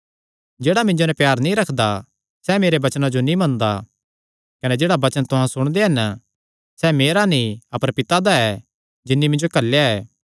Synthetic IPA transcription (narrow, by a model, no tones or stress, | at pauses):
d͡ʒeːɽamɪ̃ɲd͡ʒonɛ̃pjaːɾnĩɾɐkʰd̪a | sɛmeːɾebɐt͡ʃnad͡ʒonĩmɐ̃nd̪a | kɐnɛd͡ʒeːɽabɐt͡ʃənt̪ʊɦãsʊɽ̃d̪eɦɐn | sɛmeːɾanĩɐpəɾpɪt̪ad̪aɛ | d͡ʒɪnːimɪ̃nd͡ʒokɐlːjaɛː